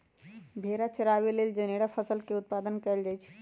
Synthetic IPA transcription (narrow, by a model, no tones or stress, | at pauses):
bʱeɾat͡ʃəɾaʋeleld͡ʒəneɽafʰəsəlkeʊt̪̚pad̪ənkəld͡ʒaːjt͡ʃʰi̥